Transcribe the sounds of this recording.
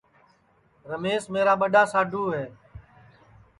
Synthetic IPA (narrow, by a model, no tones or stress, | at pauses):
ɾəmeːsmeːɾaːɓəɗaːsaːɖʱuːɦeː